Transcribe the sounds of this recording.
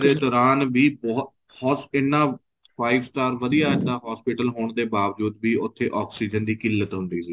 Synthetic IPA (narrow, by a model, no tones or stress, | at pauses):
d̪eːd̪ɔːɾaːnbiːbɔː | hɔːtɪnːãː | pʰaːibsʈaːɾʋəd̪ijaːɪd̪ãːɦɔːspɪʈəlɦoːɳd̪eːbaːʋd͡ʒuːd̪biːʔʊt̪ʰːeːʔɔːksiːd͡ʒənd̪iːkɪlːət̪ɦʊ̃nd̪iːsiː